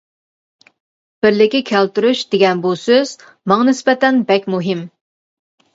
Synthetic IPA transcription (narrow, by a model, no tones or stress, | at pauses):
b̥ɪɾlɪkʲːikʲʰælt̪yɾuʃd̪eɡʲɛnbusøz̥ | mɑŋnɪspɛt̪ɛnbɛkʲmuɦɪm